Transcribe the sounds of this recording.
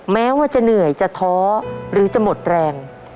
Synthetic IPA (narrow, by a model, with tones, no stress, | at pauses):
mɛː˦˥waː˥˩t͡ɕa˨˩nɯ˨˩əjt͡ɕa˨˩t̪ʰɔː˦˥ɾɯː˩˦t͡ɕa˨˩mo˨˩t̪̚ɾɛː˧ŋ